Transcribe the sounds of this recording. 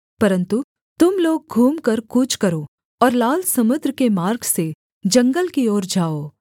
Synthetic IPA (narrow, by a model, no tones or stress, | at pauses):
pɐɾə̃nt̪u | t̪ʊmloːɡ̚ɡʱuːmkɐɾkut͡ʃʰkɐɾoː | ɔːɾlaːlsɐmʊd̪ɾəkemaːɾɡse | d͡ʒɐ̃ŋɡəlkiɔːɾd͡ʒaːoː